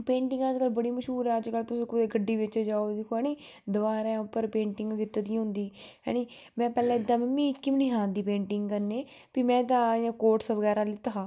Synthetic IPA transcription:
pẽːɳʈɪ̃ŋɡəd͡ʒkəlbəɽiːməʃɦuːɾɛːəd͡ʒkəlt̪ʊsĩːkʊd̪eːɡəɖːiːʋɪt͡ʃd͡ʒaːoːd̪ekʰoɛːniː | d̪ʊʋaːɾãʊpːəɾpẽːɳʈɪŋɡkɪt̪ːad̪ɪãɦʊ̃nd̪iːɦɛ̰ːniːmɛ̃ːpɛːlɛ̃ːɪd̪ːãːmmĩːkːimniɦãːd̪iːpẽːɳʈɪŋɡkəɾneː | piːmɛ̃ːt̪ãːjãːkoːɾʈsʋəɡɛːɾaːlɪt̪aɦaː

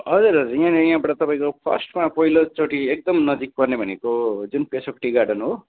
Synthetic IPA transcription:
ɦʌd͡zuɾʌd͡zijãnejãbʌʈʌt̪ʌpaĩkopʰʌ̰sʈmapʌɦilot͡soʈiek̚d̪ʌmnʌd͡zik̚pʌrnebʱʌnekod͡zunpesʌkʈiɡaɖʌnɦo

